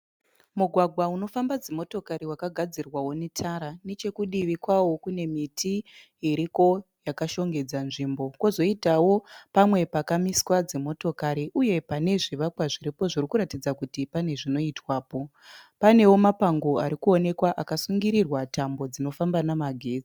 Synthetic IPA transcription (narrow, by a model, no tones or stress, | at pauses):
muɡʱwaɡʱwauno̞fambad͡zemo̞to̞kariwakaɡʱad͡zirwawo̞nitʰaɾanet͡ʃe̞kuɗiʋikwawo̞kune̞mitʰiː | ɾiko̞jakaʃo̞ŋɡe̞d͡zanʐimbo̞kozo̞itawo̞pamwe̞pakamiswad͡zemo̞to̞kaɾiʔuje̞pane̞ʐiʋakwaʐiɾipo̞ʐirikuɾatid͡zakutipane̞ʐino̞itwaːpo̞ | pane̞wo̞mapaŋɡo̞aɾikuo̞ne̞kwaʔakasuŋɡiɾirwatambo̞d͡zino̞fambanamaɡʱeːd͡zi